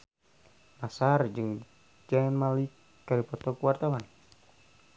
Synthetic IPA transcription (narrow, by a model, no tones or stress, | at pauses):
masard͡ʒɨŋ | d͡ʒanmalikː | aɾipɔt̪ɔkuwart̪awan